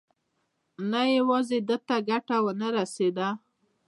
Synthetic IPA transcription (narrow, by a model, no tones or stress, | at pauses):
najawɑzed̪ət̪aɡaʈawənəɾased̪a